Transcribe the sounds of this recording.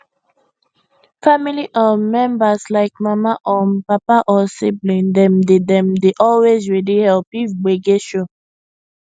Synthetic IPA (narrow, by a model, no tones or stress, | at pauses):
familiʔɔmɛ̃mbaslaɪkmamaʔɔnpapaʔɔsiblĩndɛ̃mdedɛ̃mdeʔɔlwezɹidihɛlpifɡ͡beɡeʃo